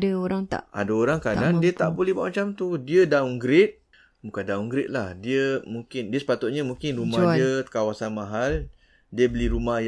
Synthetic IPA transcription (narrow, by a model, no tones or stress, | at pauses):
daoɾaŋt̪a̰a̰daoɾaŋkadandiət̪aʔbolɛɦbaʔmat͡ʃamt̪udiədauŋɡɾɪt̪̚ | bukandauŋɡɾɪt̪̚lahdiəmuŋkɪndiəsə̥pat̪ʊt̪̚ɲamũŋkɪnrumaiəkawasanmãɦal | diəbəliɾumahj